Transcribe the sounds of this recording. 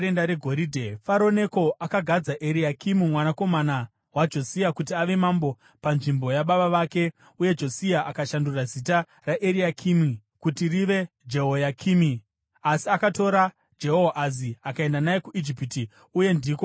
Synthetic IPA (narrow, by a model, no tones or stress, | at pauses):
endaɾe̞ɡʱoɾidʱefaɾo̞ne̞ko̞ʔakaɡʱad͡zaʔeɾiakimimwanako̞mana | wad͡ʒo̞siakutiaʋe̞mambo̞ | panʐimbo̞jaɓaɓaʋake̞ | uje̞d͡ʒo̞siaʔakaʃandurazita | raʔeɾiakʰimi | kutiriʋe̞ | d͡ʒe̞ɦojakʰimi | asiakato̞ɾa | d͡ʒe̞ɦoʔaziakae̞ndanaje̞kuʔid͡ʒipiti | uje̞ndiːko